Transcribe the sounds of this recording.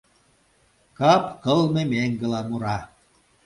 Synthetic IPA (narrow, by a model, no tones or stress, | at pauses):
kɑpkɤ̆lmemeŋɡə̆lɑmuɾɑ